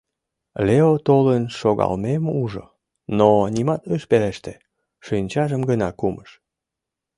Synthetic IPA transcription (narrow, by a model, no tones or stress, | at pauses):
leot̪olənʃoɣɑ̰lmemuʒo̰ | nonʲimɑt̪øʃpeleʃt̪e | ʃynʲt͡ɕɑʒəmɡənɑkumʔəʃ